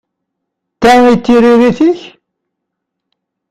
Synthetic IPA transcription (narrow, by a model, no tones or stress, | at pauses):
t̪ːæŋit̪ːiɾiɾiθiç